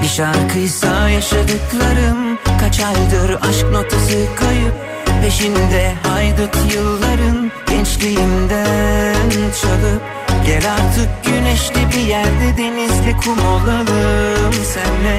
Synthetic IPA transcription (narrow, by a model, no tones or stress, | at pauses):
biʃaɾkʰɯjsajaʃad̪ɯklˠaɾɯmkʰat͡ʃʰajd̪ɯɾʔaʃk̚no̞t̪ʰasɯkʰajɯp̚ | beʃind̪ɛɦajd̪ɯt̪ʰjɯlˠːaɾɯnɟɛnt͡ʃlʲijimd̪ænt͡ʃʰalˠɯ | ɟɛlaɾt̪ʰɯk̚ɟynɛʃlʲibijæɾd̪ɛd̪e̞nizlʲikʰumolˠalˠɯmsænlɛ